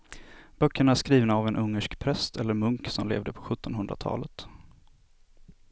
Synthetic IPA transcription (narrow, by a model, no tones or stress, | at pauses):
b̥œkːəɳaæʂkɾiːvnaːvɛnʔɵŋːəʂkpʰɾɛst̪ʰɛlːəɾmɵŋksɔmlḛːvd̪əpʰɔ̥ɧɵt̪ːɔnɦɵnd̪ɾa̰t̪ʰɑ̰ːlət̪